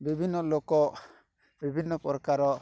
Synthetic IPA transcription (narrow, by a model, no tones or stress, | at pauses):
bibʱinɔlokɔ | bibʱinːɔpɔɾɔkaɾɔ